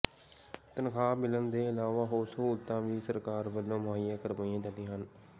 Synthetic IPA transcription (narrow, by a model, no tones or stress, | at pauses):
t̪ənkʰaːmɪlənd̪eːɪlaːʋaːɦoːɾsoːʊt̪ːãːʋiːsəɾkaːɾbəlːõːmʊaːɪjaːkəɾʋaːiãːt̪əd̪ĩːɦən